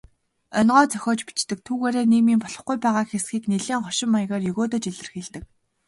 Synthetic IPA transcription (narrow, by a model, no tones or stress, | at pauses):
œnʁɔːt͡sœxʲɔːt͡ɕpi̥t͡ɕt̪ɘ̆k̚t̪ʰuːɣeːɾeːneːmiːmpɔɮɞ̆χɡujpæːʁaːkxesɡiːkneɮeːŋχɔʃɪ̆mːaj̆ʁeːrjɵɣoːt̪oːt͡ɕiɮɘ̆rxiːɮt̪ɘ̆k̚